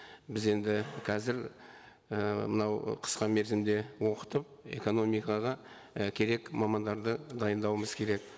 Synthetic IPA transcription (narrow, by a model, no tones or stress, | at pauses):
bɪze̞nd̪ɪqʰɑzɪɾ | əmənɑwqʰə̥sqɑme̞ɾzɪmd̪e̞wo̞qə̥t̪əp̚ | e̞̰ko̞no̞mijkɑʁɑ | kʲʰe̞ɾe̞kmɑmɑnd̪ɑɾd̪əd̪ɑjənd̪ɑwəməzkʲʰe̞ɾe̞k